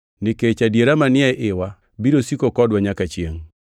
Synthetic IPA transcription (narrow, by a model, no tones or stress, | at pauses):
nɪket͡ʃadjeɾamanɪɛʔɪwa | biɾosikokɔdwaɲakat͡ʃjeŋ